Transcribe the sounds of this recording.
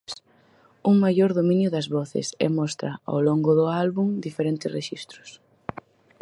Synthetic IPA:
uŋmajʎoɾðomĩnjʊðɐzβɔθɪ̰sɛ̰mɔst̪ɾɐa̰wloŋɡʊðʊalβuŋd̪ifeɾent̪ɪsreʃist̪ɾʊs

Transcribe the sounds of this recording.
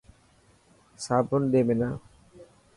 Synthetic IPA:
sabond̪emena

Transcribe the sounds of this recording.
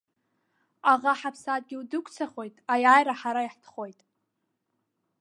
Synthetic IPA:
aʁaħapʰsaːt̚ʼɡʲiwdɨkʷʰʼt͡sʰaχo̞jtʼajaːjɾaħaɾaiħtʰχo̞jtʼ

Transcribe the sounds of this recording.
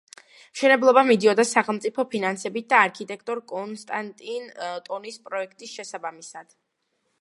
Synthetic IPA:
mʃɛnɛblˠɔbamid̪iɔd̪asaχɛlˠmt̪sʼipʰɔpʰinansɛbit̪̚d̪aːɾkʰit̪ʼɛk̚ʰʼt̪ʼɔɾkʼɔnst̪ʼant̪ʼint̪ʼɔnispʼɾɔɛkʰt̪ʼisʃɛsabamisad̪̥

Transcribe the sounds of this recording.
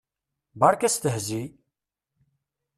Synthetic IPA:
baɾkæst̪əɦzi

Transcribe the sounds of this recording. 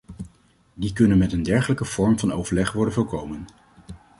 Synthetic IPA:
dikɵnənmɛtəndɛɹχələkəv̥ɔɹmvɑnowvəɹlɛχʋɔɹdənvɔɹkowmən

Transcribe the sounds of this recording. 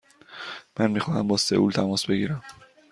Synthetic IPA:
mænmiːxɒːhæmbɒːsḛʔṵlt̪ʰæmɒːsbe̞ɡiːɾæm

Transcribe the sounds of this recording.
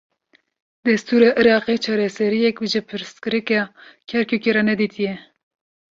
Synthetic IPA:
d̪ɛst̪uːɾɑʔɨɾɑːqet͡ʃʰɑːɾɛsɛɾijɛkwiʒɪpʰɨɾst̪kɨɾɨkɑkʰɛɾkʰukeɾɑnɛd̪it̪ʰijɛ

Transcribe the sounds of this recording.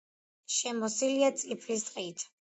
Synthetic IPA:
ʃɛmɔsiliat̪sʼipʰlisʼqʼiːt̪ʰ

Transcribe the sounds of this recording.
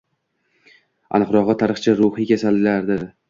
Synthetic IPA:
a̰nɨqɾɒʁɨt̪ʰaɾɨχt͡ʃʰɪɾʊhɨkʲʰasalɪlaɾd̪ɪɾ

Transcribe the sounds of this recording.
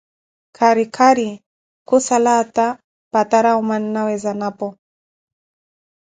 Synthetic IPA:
kʰaɾikʰaɾi | kusalat̪a | pat̪aɾaumaninawɛzanapɔ

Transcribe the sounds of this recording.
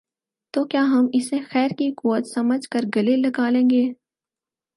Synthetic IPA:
t̪oːkjaːɦɐmɪsẽxɛːɾkikuːwət̪sɐməd͡ʒʱkəɾɡɐlelɐɡaːlẽːŋɡeː

